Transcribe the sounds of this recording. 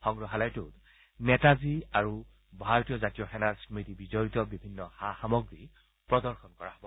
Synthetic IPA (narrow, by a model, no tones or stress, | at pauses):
xɔŋɡɹɔɦalajtut | nɛtaziaɹu | bʱaɹɔtijɔzatijɔxɛnaɹsmitibizɔɹitɔbibʱinːɔhaxamɔɡɹi | pɹɔdɔɹxɔnkɔɹaɦɔbɔ